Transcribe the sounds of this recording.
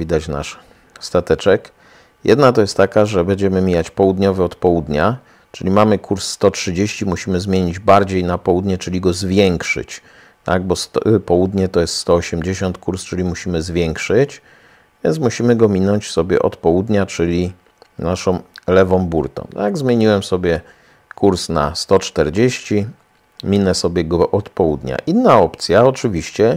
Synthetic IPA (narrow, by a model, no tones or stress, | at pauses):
vʲid̪at͡ɕna̰ʂ | st̪at̪ɛt͡ʂɛk | jɛd̪nat̪ɔjɛst̪ːakaʐɛbɛɲd͡ʑɛmɘmʲijat͡ɕpɔwud̪ɲɔvɛɔt̪pɔwud̪ɲa | t͡ʂɘlʲimamɘkuɾsːt̪ɔtʂɘd͡ʑeɕt͡ɕimuɕimɘzmʲjeɲid͡ʑbaɾd͡ʑejnapɔwud̪ɲɛt͡ʂɘlʲiɡɔzvʲjɛŋkʂɘ̰t͡ɕ | t̪a̰ɡ̚bɔspɔwud̪ɲɛt̪ɔjɛst̪st̪ɔɔɕɛmd͡ʑeɕɔnt̪kuɾst͡ʂɘlʲimuɕimɘzvʲjɛŋkʂɘt͡ɕ | vʲjɛnt̪smuɕimɘɡɔmʲinɔɲt͡ɕsɔbʲjɛ̰ʔɔ̰t̪pɔwud̪ɲat͡ʂɘlʲi | naʂɔ̃w̃lɛvɔ̃m̃buɾt̪ɔ̰̃mt̪aɡzmʲjeɲiwɛmsɔbʲjɛ | kʰuɾsna̰st̪ɔt͡ʂt̪ɛɾd͡ʑeɕt͡ɕi | mʲinɛsɔbʲjɛɡɔʔɔt̪pɔwud̪ɲa̰ʔinːaɔpt̪sʲjaɔt͡ʂɘvʲiɕt͡ɕɛ